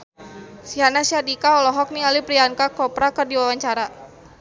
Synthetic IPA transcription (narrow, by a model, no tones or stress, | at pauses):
sianasiadikaɔlɔɦɔk̚nialipɾiankakɔpɾakərdiwawaɲt͡ʃaɾa